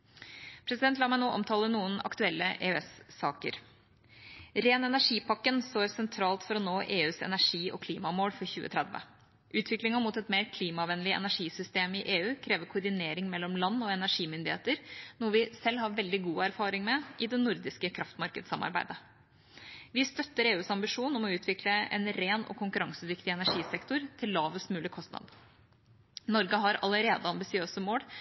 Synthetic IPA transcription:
pʰɾɛsɪd̪ɛnt̪lɑmɑnuːʔɔ̰mt̪ʰɑːlənuːənɑ̰kt̪ʉɛlːəʔḛøɛsːɑːkə̰ɾ | ɾeːnɛnæʂiːpʰɑkːənst̪oːɾsɛnt̪ʰɾɑːlt̪fɔɾɔnoːʔeːʉːsɛ̰næʂiːʔɔ̰kʰliːmɑmoːlfɔɾçʉ̰ːə̰t̪ʰɾɛd̪ʋə̰ | ʔʉːt̪ʰʋɪklɪŋənmʊt̪ɛt̪meːɾkʰliːmɑʋɛnəlɪɛ̰næʂiːsʏst̪eːmɪʔeːʉːkʰɾeːʋəɾkʰʊɾd̪ɪneːɾɪŋmɛlːɔmlɑnːɔɛnæʂiːmʏnd̪ɪhḛːt̪əɾnɔʋɪsɛlːhɑɾʋɛld̪ɪɡuːæɾfɑːɾɪŋmɛʔɪd̪ɛnʊɾd̪ɪskəkʰɾɑft̪mɑɾkəd̪sɑmʔɑ̰ɾbæ̰ɪd̪ə | ʋɪst̪œt̪ːəɾeːʉːsɑmbɪʂuːnɔmɔʉːt̪ʰʋɪkləɛ̰nɾeːnɔ̰kʰʊŋkʉɾɑŋsəd̪ɪkt̪ɪɛnæʂiːsɛkt̪ɔɾt̪ʰɪlːɑːʋəsmʉːlɪkʰɔst̪nɑ̰d̪ | nɔɾɡəɦɑɾɑləɾeːd̪əɑmbɪsɪøːsəmoːɽ

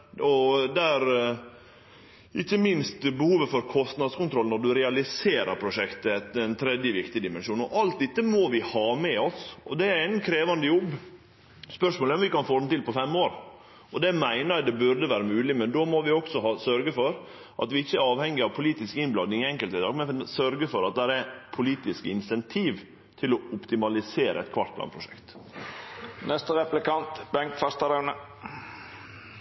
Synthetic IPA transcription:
ɔd̪ɛæɾ | ʔɪçːəmɪnst̪bəhuːʋəfɔɾkʰɔst̪nɑd̪skʊnt̪ʰɾɔlnɔd̪ʉɾɛɑlɪseːɾə̰ɾpʰɾʊʂɛkt̪əɛt̪ɛnt̪ʰɾɛd̪jəʋɪkt̪ɪd̪ɪmɛnʂuːnɔʔɑlt̪̚d̪ɪt̪ːəmoʋɪhɑːmɛɔsɔ̰d̪ɛæɾænkʰɾeːʋɑnd̪əjɔbː | spœʂmoːləɔmʋɪkɑnfoːd̪nt̪ɪlpɔfɛmːoːɾ | ɔd̪ɛmæɪnəɛd̪ɛbʉɾd̪əʋæːɾəmʉːlɪmɛnd̪oːmɔʋɪɔksɔɦɑsœɾɡəfɔɾ | ʔɑt̪ʋɪɪçːəæɾɑːʋhɛŋːɪɑʋpʰʊliːt̪ɪskɪnblɑd̪ɪŋɪɛŋkəlt̪ɪd̪ɑ̰ːɡmɛnsœɾɡəfɔɾɑt̪̚d̪æɾɛpʰʊliːt̪ɪskəɪnsɛnt̪ʰiːʋ | t̪ʰɪlɔʊpt̪ɪmɑlɪseːɾʔə̰ɛ̰t̪kʰʋɑ̰ɾʈ̪̚pʰlɑ̰ːnpʰɾʊʂɛ̰kt̪ | nɛst̪əɾɛplɪkɑnt̪bɛŋkfɑst̪ɑɾɑnə

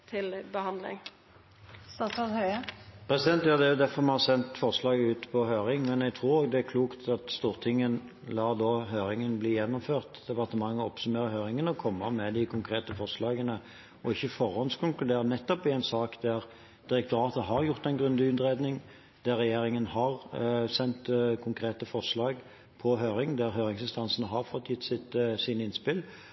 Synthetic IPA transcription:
t̪ʰɪlbəhɑnd̪lɪ̰ŋ | st̪ɑsɑt̪hœəpʰɾɛsɪd̪ɛnt̪juːd̪ɛjʊd̪æfɔʁmɑnhɑsɛnt̪fɔʁslɑːɡəʉːt̪pʰɔɦøːɾɪŋmɛnɛɡt̪ʰɾuːɾoːɡd̪ɛækʰluːkt̪ɑt̪st̪uːʁt̪ʰɪŋːən | lɑːd̪oːɦøːɾɪŋənbliːjɛnːʊmføːʁt̪d̪ɛpɑʁt̪əmɑŋːəɔpsʉmeːʁəɦøːɾɪŋənəɔkʰɔmːəmɛd̪ɪkʰʊŋkʰʁeːt̪əfɔʁslɑːɡənə | ɔɪçːəfɔʁhɔnskʰʊŋklʉd̪eːɾənɛt̪ːɔpɪɛnsɑːkd̪æʁ | d̪̥ɪɾɛk̚t̪ʊɾɑːt̪əɦɑʁjʊʁt̪ɛnɡʁʉnd̪ɪʉnd̪ɾed̪nɪŋ | d̪̥æʁːɛjeːɾɪŋənhɑʁsɛnt̪kʰʊŋkʰɾeːt̪əfɔʁʂlɑːɡ | pʰɔɦøːɾɪŋd̪æɾɦøːɾɪŋsɪnst̪ɑnsənəɦɑʁfɔt̪ʰːjɪt̪ːsɪt̪siːnəɪnspɪl

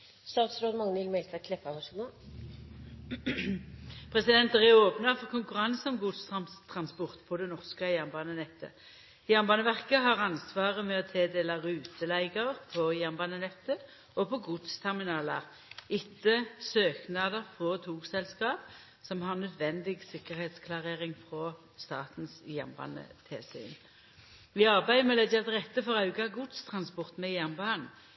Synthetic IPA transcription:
st̪ɑːʁt̪sɾoːd̪mɑŋːənɪlmɛɪlt̪kʰlɛpːɑʋɑsɡ | pʰʁɛsɪd̪ɛnt̪ʁɛoːpnɑfɔʁkʰʊŋkʉʁɑnsɔmɡʊd̪st̪ʰʁɑnspɔʁt̪pʰɔd̪ɛnɔʁskəjæʁnbɑːnənɛt̪ʰːə̰ | jæʁnbɑːnəʋæʁkəɦɑʁɑnsʋɑːʁəmɛɔt̪ʰeːd̪eːlɑʁʉːt̪ʰəlæɪɡəʁʁpʰɔjæʁnbɑːnənɛt̪ːə | ɔpʰɔɡʊd̪st̪ʰɛʁmɪnɑːlɑʁ | ɪt̪ʰːəsøːknɑːd̪əʁfʁɔt̪ʰuːksɛlskɑːp | sɔmhɑʁnœd̪ʋɛnd̪ɪɡsɪkːəʁheːt̪skʰlɑʁeːʁɪŋfʁɔ | st̪ɑːt̪n̩sjæ̰ʁnbɑ̰ːnə̰t̪ʰeːsy̰ːn | ʋɪɑʁbæɪdmɛlɛdɑt̪ʁɛt̪ːəfɔʁɑʉɡɑɡʊd̪st̪ʰʁɑnspɔʁt̪mɛjæʁnbɑːn

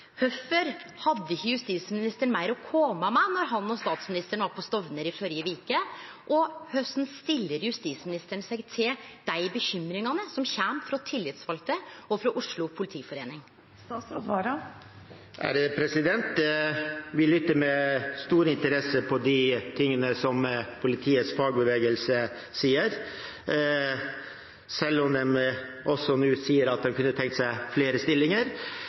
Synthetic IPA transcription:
hœfəɾhɑd̪ːəɪçːəjʉst̪iːsmɪnɪst̪əɳmæɪɾɔkʰoːmɑmænɔɾɦɑnɔst̪ɑːt̪smɪnɪst̪əɳʋɑɾpʰɔst̪ɔʋnəɾɪfɔɾɪjəʋiːkə | ʔɔhœsnst̪ɪlːəɾjʉst̪iːsmɪnɪst̪əɳsɛɡt̪ʰɪld̪̥æɪbəçʏmɾɪŋɑnəsɔmçæmfɾɔt̪ʰɪlːɪt̪sʋɑlt̪əʔɔfɾɔʔʊʂɭʊpʰʊlɪt̪ʰiːfɔɾeːnɪŋ | ɑɾɑ | ʔæ̰ɾpʰɾɛsɪd̪ɛnt̪ | ʋɪlʏt̪ːəɾmɛst̪uːɾəɪnt̪əɾɛsəpʰɔd̪ɪt̪ʰɪŋːənəsɔmpʰʊlɪt̪ʰiːət̪sfɑːɡ̚bəʋeːɡəlsə | siːəɾ | sɛlːɔmd̪ɛm | ʔɔsɔnʉːsiːəɾɑt̪̚d̪ɛmkʰʉnːət̪ʰɛŋkt̪sæɪfleːɾəst̪ɪlːɪŋəɾ

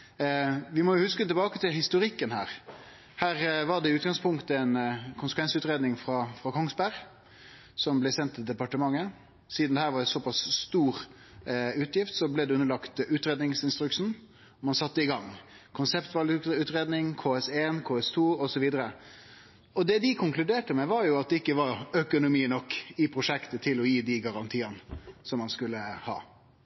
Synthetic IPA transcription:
ʋɪmɔjʊhʉskət̪ɪlbɑːkət̪ɪlhɪst̪ʊɾɪkːənhæːɾ | hæːɾʋɑɖ̪ɛʉːt̪̚ɡɑŋspʰʊŋkt̪əɛnkʰʊnsəkʋɛnsəʉːt̪ɾeːd̪nɪŋfɾɑfɾɑkʰɔŋsbæɾ | sɔmblɛsɛnt̪ʰːɪld̪ɛpɑʈəmɑŋːə | siːd̪nɛhæːɾʋɑɾɛsɔpɑsst̪uːɾ | ʉːt̪jɪft̪sɔblɛd̪ɛʉnːəlɑkt̪ʉːt̪ɾeːd̪nɪŋsɪnst̪ɾʉksn̩ | mɑnsɑt̪ːəɪɡɑŋ | kʰʊnsɛpt̪ʋɑlʉːt̪ɾeːd̪nɪŋkʰoːɛseːnkʰoːɛst̪ʰuːɔsɔʋiːd̪əɾə | ɔd̪ɛːd̪ɪkʰʊŋklʉd̪eːʈəmɛʋɑɾjʊɑt̪̚d̪ɛɪkːəʋɑɾœkʊnʊmiːnɔkːɪpʰɾʊʂɛkt̪ət̪ʰɪlɔjiːd̪iɡɑɾɑnt̪ʰiːɑnəsɔmːɑnskʉlːəhɑ̰ː

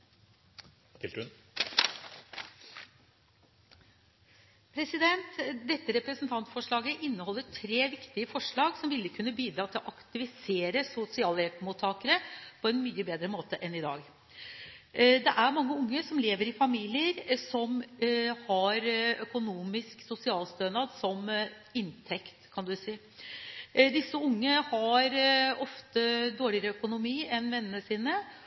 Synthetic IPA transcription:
pʰɾɛsɪd̪ɛnt̪d̪ɛt̪ːəɾɛpɾəsnt̪ʰɑnt̪fɔʂɭɑːɡəʔɪnːəhɔlːəʈʰɾeːʋɪkt̪ɪəfɔʂɭɑːɡsɔmʋɪlːəkʰʉnːəbiːd̪ɾɑːt̪ʰɪlɔʔɑkt̪ɪʋɪseːɾəsʊsɪɑːlɛt̪muːt̪ʰːɑːkəɾəpʰɔɛnmyːəbeːd̪ɾəmoːt̪əʔɛnɪd̪ɑ̰ːɡ | d̪ɛʔæɾmɑŋːəʊŋːəsɔmleːʋəɾɪfɑmiːlɪəɾsɔmhɑɾœkʊnuːmɪsksʊsɪɑːlst̪œnɑd̪sɔm | ɪnt̪ʰɛkt̪kʰɑnd̪ʉsiː | d̪ɪsːəʊŋːəhɑɾɔft̪əd̪oːɭɪəɾəœkʊnʊmiːɛnʋɛnːənəsiːnə

